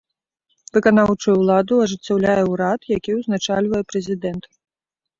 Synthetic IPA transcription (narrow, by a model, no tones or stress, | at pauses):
vɨkanawt͡ʂujulˠad̪uɐʐɨt͡sʲːawlʲajɛwɾat̪jakʲiwznat͡ʂalʲvɐjɛpɾɛzʲid̪ɛnt̪